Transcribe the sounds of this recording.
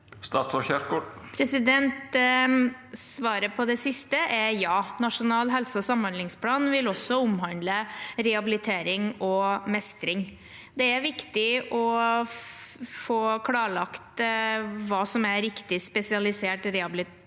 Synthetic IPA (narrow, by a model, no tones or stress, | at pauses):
st̪ɑːt̪sɔçæɾɡɔpʰɾɛsɪd̪ɛnt̪ | sʋɑːɾəpʰɔd̪ɛsɪst̪əʔɛɾjɑːnɑʂʊnɑːlɦɛlsəɔsɑmhɑnlɪŋspʰlɑːnʋɪlɔsːɔʊmɦɑnd̪ləɾɛhɑbɪlɪt̪ʰeːɾɪŋɔmɛst̪ɾɪŋ | d̪ɛæɾʋɪkt̪ɪɔ | foːkʰlɑːɭɑkt̪ | ʋɑːsɔmæɾɪkt̪ɪspɛsɪɑlɪseːʈɾɛhɑbɪlɪ